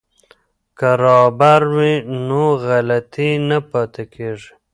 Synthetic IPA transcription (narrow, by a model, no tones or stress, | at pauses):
kaɾɑːbaɾwinoɣalat̪inapɑt̪akʰeʐi